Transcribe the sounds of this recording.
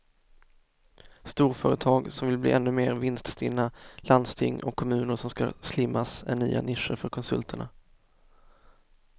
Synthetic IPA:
st̪uːɾfœːɾət̪ʰɑːɡsɔmvɪlblḭːʔɛnːɵmeːɾvɪnst̪st̪ɪnːaland̪st̪ʰɪŋːɔ̰kʰːɔmʉ̟ːnəɾʂɔmska̰slɪmːasæɳyːa̰nɪʂəɾfœɾkʰɔnsɵlt̪ʰəɳa

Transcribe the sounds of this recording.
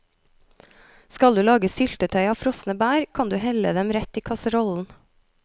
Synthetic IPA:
skɑld̪ʉːlɑːɡəsʏlt̪ət̪ʰœʏɑːʋfɾɔsnəbæːɾkʰɑnd̪ʉːhɛlə̰d̪ɛmɾɛt̪iːkʰɑsəɾɔln̩

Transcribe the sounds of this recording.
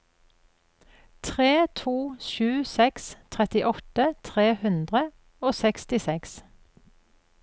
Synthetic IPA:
t̪ʰʁeːt̪ʰuːʃʉːsɛkst̪ʰʁɛt̪ɪʔɔt̪ət̪ʰʁeːhʉnd̪ʁə | oːsɛkst̪ɪsɛks

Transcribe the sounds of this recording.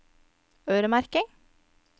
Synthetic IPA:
œːɾəmæɾkɪŋ

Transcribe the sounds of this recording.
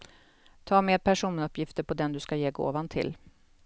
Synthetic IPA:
t̪ʰɑːmeːd̪̚pʰæʂuːnɵpːjɪft̪əɾpʰɔd̪ɛnd̪ɵskajeːɡo̰ːvant̪ʰɪ̰l

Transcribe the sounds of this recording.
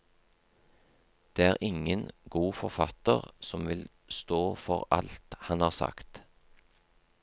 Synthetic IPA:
d̪̥eːæːʁʔɪŋənɡuːfɔʁfɑt̪əʁsɔmʋɪl | st̪oːfɔʁɑ̰lt̪hɑnhɑːʁsɑ̰kt̪

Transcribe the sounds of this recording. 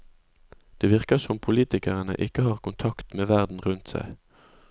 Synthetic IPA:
d̪̥eːʋɪʁkəsɔmpʰʊliːt̪ɪkəʁənə̰ʔɪkəhɑːʁkʊnt̪ʰɑkt̪meːʋæʁd̪n̩ʁʉnt̪sæ̰ɪ

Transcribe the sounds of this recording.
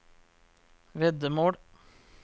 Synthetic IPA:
ʋɛd̪əmoːɽ

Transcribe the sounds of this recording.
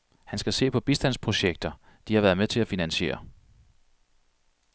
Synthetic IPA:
hænsɡ̥æse̝̰ːpʰɒ̽b̥isd̥æn̰spʰʁo̝ɕeɡ̥̚d̥ɐ | d̥ihɑ̈ʋæːɐðˠmet͡sʰe̝læfinænɕe̝̰ːɐ

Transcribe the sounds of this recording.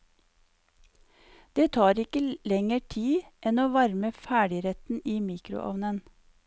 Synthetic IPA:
d̪̥eːt̪ʰɑːɾɪkəlɛŋəʈʰiːʔɛnoːʋɑɾməfæːɖɪɾɛt̪n̩iːmiːkɾʊ̰ʔɑ̰ʋnən

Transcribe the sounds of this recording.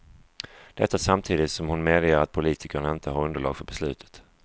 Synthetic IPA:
d̪̥ɛt̪ːasamt̪ʰiːd̪ɪt̪sɔmhʊnmeːd̪jəɾat̪̚pʰʊliːt̪ʰɪkəɳaɪnt̪ʰəɦaɾɵnd̪əɭɑ̰ːɡfœɾbɛslʉ̟ːt̪ʰə̥t̪

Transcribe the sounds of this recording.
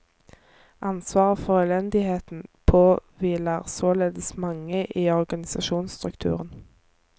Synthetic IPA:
ʔɑnsʋɑːʁfɔʁœːlɛnd̪ɪheːt̪n̩pʰoːʋiːlæːʁsoːleːd̪əsmɑŋəʔiːɔʁɡɑnɪsɑʃuːnst̪ʁʉkt̪ʰʉ̰ːʁən

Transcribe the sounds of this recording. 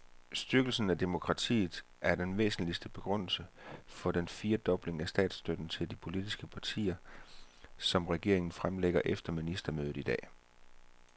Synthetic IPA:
sd̥yɐɡ̥l̩sn̩æd̥e̝mo̝kʰʁɑ̈t͡sʰḭːð̩ˠ | ʔæɐd̥enʋḛːsn̩lisd̥əb̥e̝ɡ̥ʁɔ̽n̰l̩səfɒ̽d̥enfiːɐd̥ɒ̽b̥le̝ŋæsd̥ɛ̰ːd̥sd̥ød̥n̩t͡sʰe̝ld̥ipʰo̝lid̥isɡ̥əpʰɑ̈t͡sʰḭːɐ | sɒ̽mʁɛɡ̥e̝̰ɐe̝ŋn̩fʁamleɡ̥ɐʔefd̥ɐminisd̥ɐmøːð̩ˠid̥ɛ̰ː

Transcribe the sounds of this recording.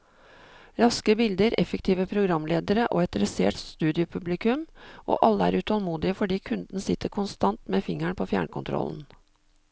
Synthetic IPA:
ɾɑskəbɪld̪əɾɛ̰fəkt̪ʰiːʋəpʰɾʊɡɾɑmleːd̪əɾəʔo̰ːɛt̪ɾɛsḛːʈst̪ʉːd̪ɪʊpʰʉblɪkʉmʔo̰ːʔɑlːəæːɾʉt̪ʰɑlmuːd̪ɪəfɔɖiːkʰʉnd̪n̩sɪt̪ʰːəɾkʰʊnst̪ɑnt̪meːfɪŋæɳpʰoːfjæ̰ːɳkʰʊnt̪ʰɾɔ̰ln̩

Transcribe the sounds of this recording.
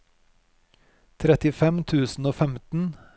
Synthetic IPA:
t̪ʰɾɛt̪ɪfɛmt̪ʰʉːsn̩oːfɛmt̪n̩

